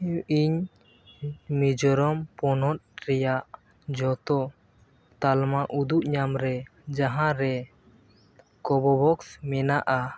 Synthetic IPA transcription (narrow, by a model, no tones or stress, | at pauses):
iɲ | mid͡ʒɔɾɔmpɔnɔt̪̚ɾɛjaʔ | d͡ʒɔt̪ɔ | t̪almaʔud̪uʔɲamɾɛd͡ʒaɦãɾɛ | kɔbɔbɔksmɛnaʔa